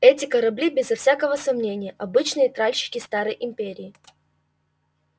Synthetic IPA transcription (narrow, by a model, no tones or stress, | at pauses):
ɛtʲɪkəɾɐblʲibʲɪzɐfsʲakəvəsɐmnʲenʲɪjəʔɐbɨt͡ɕnɨjət̪ɾalʲɕɪ̥kʲɪst̪aɾəjʔɪmʲpʲeɾʲɪː